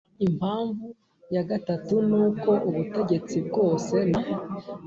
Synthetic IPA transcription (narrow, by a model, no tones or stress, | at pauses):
im̥haːɱvu | jaɡatatunuːko̞ʔuβute̞ɡe̞t͡sib̚ɡo̞ːse̞na